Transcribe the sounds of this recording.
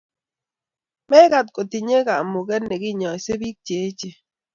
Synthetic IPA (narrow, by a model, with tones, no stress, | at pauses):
mɛ˦ka˦t̚ko˨ti˨ɲe˦ka˨mʊ˨kɛ˦tnɛ˨ɡɪ˦˨ɲɔ˨i˨se˦bi˦k̚t͡ʃe˨˦t͡ʃe˨